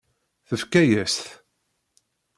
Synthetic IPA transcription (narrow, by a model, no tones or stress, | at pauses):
θəfkæjæsθ